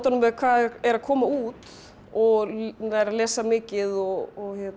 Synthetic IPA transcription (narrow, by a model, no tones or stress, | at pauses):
t̪anʏmvɛðkʰvaːðɛɾakʰɔːmauːt̪ | ɔɣaɾaðlɛːsamɪːcɪðɔɣɔɣçɛt̪